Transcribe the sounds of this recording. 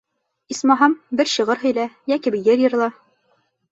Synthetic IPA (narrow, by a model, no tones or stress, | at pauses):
ismɑɦɑmbɘɾɕɤ̆ʁɤɾɦɵ̆jlæjækibɘ̆jɘɾjɤ̆ɾ̆lˠɑ